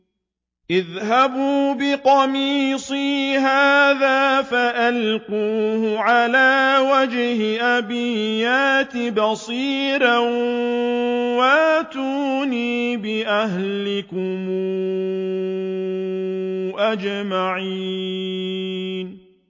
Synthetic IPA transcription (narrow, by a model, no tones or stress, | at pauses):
ʔɪðɦabuːbɪqɑmiːsˤiːɦaːðaːfaʔalquːhʊʕalaːwad͡ʒhɪʔabɪjaːt̪ɪbɑsˤiːɾa | waʔt̪uːniːbɪʔahllɪkʊmu | ʔad͡ʒmaʕiː | n